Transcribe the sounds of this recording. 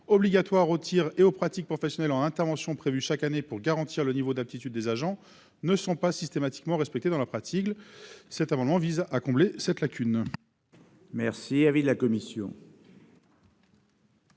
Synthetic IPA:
ɔbliɡʲat̪waʁot̪ʰiʁeopχat̪ik̚pχɔfɛsjɔnɛlɑ̃nɛ̃t̪ɛʁvɑ̃sjɔ̃pχevyʃakanepuʁɡaʁɑ̃t̪ʰiʁlənivod̪ap̚t̪it̪yd̪ːezaʒɑ̃ | nəsɔ̃pasist̪emat̪i̥kmɑ̃ʁɛspɛk̚t̪ed̪ɑ̃lapχat̪ʰiklsɛt̪amɑ̃d̪mɑ̃vizakɔ̃blesɛt̪lakʲyn | mɛʁsiavid̪lakɔmisjɔ̰̃

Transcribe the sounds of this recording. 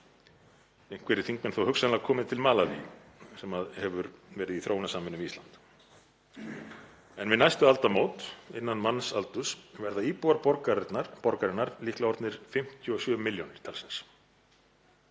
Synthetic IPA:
eŋ̥kʰvɛɾɪθiŋkmɪnθowhʏksanlaɣkʰɔːmɪðt̪ʰɪlmaːlavḭ | sɛmaðhɛvʏɾvɛːɾɪðiθɾʔoːwnasaːmɪnːʏmist̪lant̪ | ɛnvɪnajst̪ʏalt̪amoːwt̪ɪnːanmanːsalt̪ʏsvɛɾðaiːpuaɾpɔɾkaɾt̪naɾpɔɾkaɾɛnːaɾlihklaɔɾt̪nɪɾ̥fɪm̥t̪ʰjʏɔsjœːvʏmɪljownɪɾ̥t̪ʰalsɛns

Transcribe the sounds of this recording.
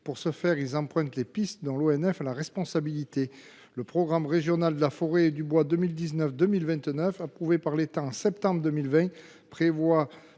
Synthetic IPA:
puʁsəfɛʁilzɑ̃pχɛ̃t̪lepist̪d̪ɑ̃loɛnɛfalaʁɛspɔ̃sabilit̪e | ləpχɔɡʁamʁeʒjɔnald̪əlafɔʁed̪ybwad̪əmild̪iznœfd̪əmilvɛ̃t̪nœfapχuvepaʁlet̪ãɑ̃sɛpt̪ɑ̃bʁəd̪əmilvɛ̃ | pχevwa

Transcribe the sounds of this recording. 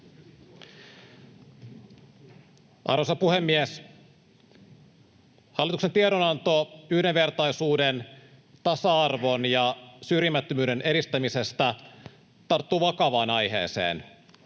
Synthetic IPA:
ʔɑ̰rʋosɑpuhe̞mːies | hɑlːit̪uksent̪ieɾonɑnt̪o̞yhdenʋe̞rt̪ɑjsuːden | t̪ɑsɑɑrʋo̞njɑsyrjimːæt̪ːømyːdene̞ɾist̪æmise̞st̪æ | t̪ɑrt̪ːuːʋɑkɑʋɑːnɑjɦḛːsḛːn

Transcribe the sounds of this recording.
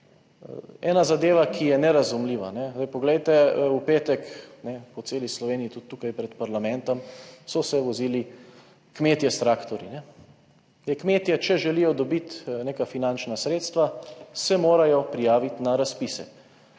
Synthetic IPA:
ɛːnazad̪eːʋakʰijɛnɛɾazumliːʋa̰nɛzd̪ɛjpɔɡlɛjt̪ɛupeːt̪ɛknɛpɔt̪seːlislɔʋeːnijit̪ut̪ːuːkajpɾɛt̪paɾlamɛ̃nt̪ɔmsɔsɛʋɔziːli | kmeːt̪jɛst̪ɾaːkt̪ɔɾinɛ | jɛkmeːt̪jɛt͡ʃɛʒɛlijɔd̪ɔbit̪neːkafinant͡ʃnasɾeːt̪st̪ʋasɛmoːɾajɔpɾijaːʋit̪naɾaspisɛ̰

